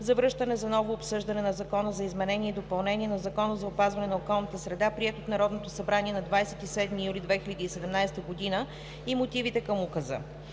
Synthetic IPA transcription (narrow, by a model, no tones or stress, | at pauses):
zɐvɾɤʃt̪ənɛzɐnɔvoːpsɤʒd̪ɐnɛnɐzɐkɔnəzɐizmɛnɛniɛid̪opɐlˠnɛniɛnɐzɐkɔnəzɐopazvɐnɛnɐokɔlˠnət̪əsɾɛd̪apɾiɛt̪oot̪nɐɾɔd̪not̪osɐbɾaniɛnɐd̪vajsɛt̪isɛd̪mijulid̪vɛxilʲəd̪iːsɛd̪ɛmnajst̪əɡod̪inə | imot̪ivit̪ɛkəmukəzə̰